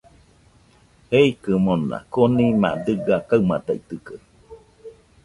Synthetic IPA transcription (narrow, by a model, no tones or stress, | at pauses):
heikɨmona̰konimã̰d̪ɨɡakaɨmat̪ait̪ɨkə